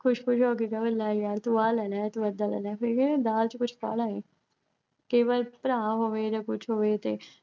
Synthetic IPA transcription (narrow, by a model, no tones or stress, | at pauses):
kʰʊʃkʰʊʃɦoːk̬ekəbəlːaːjaːɾt̪uaːlɛːnaːɛːt̪ʊəd̪aːlɛ̰ːnapʰɪɾked̪aːlt͡ʃkʊt͡ʃʰka̰ːlaːeː | keːʋəlpəɾãːɦoːʋeːd͡ʒakʊt͡ʃʰɦoːʋeːt̪eː